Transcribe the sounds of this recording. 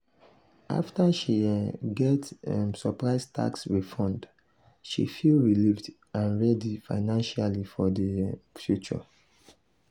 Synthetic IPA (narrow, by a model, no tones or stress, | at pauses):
ʔa̰ftaʃiɡɛtmsɔpɹaɪstʰa̰kswifɔ̃nd | ʃḭfilɹilivd | ãnɹɛdifa̰ɪnãnʃalifɔdəfjut͡ʃɔ̰